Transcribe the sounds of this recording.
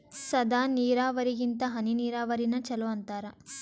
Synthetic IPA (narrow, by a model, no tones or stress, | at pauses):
sɐd̪aːniːɾaːʋɐɾiɡint̪ɐɦɐniniːɾaːʋɐɾinɐt͡ʃɐluɐnt̪aːɾɐ